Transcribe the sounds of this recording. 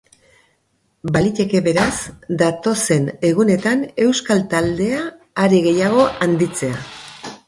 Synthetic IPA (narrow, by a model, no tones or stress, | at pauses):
balit̪e̞ke̞βe̞ɾasd̪at̪o̞se̞ne̞ɣune̞t̪ane̞wskalt̪ald̪e̞aː | ɾiɣe̞jaɣ̞o̞ʔand̪it͡se̞a